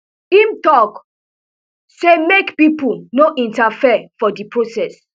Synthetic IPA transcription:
imtɔk | semekpipulnoʔĩntafifɔdipɹosɛs

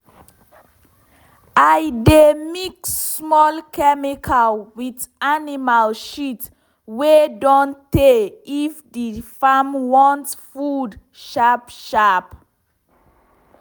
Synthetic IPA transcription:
ajdemiksmɔlkʰɛmikʰalwidanimalʃit | wedɔ̃nteifdifamwɔ̃ntfud | ʃapʃap

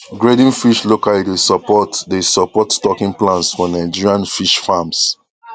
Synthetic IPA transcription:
ɡɹedĩnfiʃlokalidesɔpɔtdesɔpɔtstɔkĩŋplãnsfɔnãɪd͡ʒiɹiãnfiʃfams

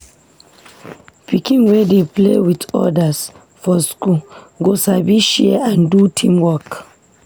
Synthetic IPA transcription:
pikĩnwɛdeplḛwitɔ̰das | fɔsku | ɡosabiʃɛãndutʰĩmwɔk

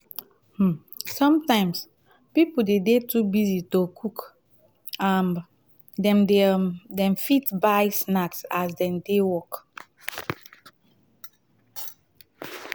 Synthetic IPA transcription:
sɔ̃mtãɪ̃ms | pipuldedetʰubizitokʰuk | an | dɛ̃mdedɛ̃mfitbajsnaksasdɛ̃mdewɔk

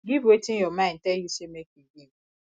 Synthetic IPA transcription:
ɡibetinjɔmãn̩tejusemekiɡi

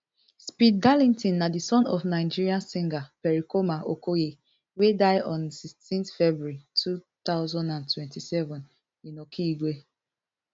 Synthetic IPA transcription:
spid̚ɡalĩntĩnːadisɔ̃nɔfnaɪd͡ʒiɹiãnsĩŋɡapɛɹikomaʔokoje | wedaɪɔ̃nsistĩntfɛbuitʰut̪aʊzɔ̃ndãntwɛ̃ntisɛvɔ̃n | ĩnɔkʰiːɡwe

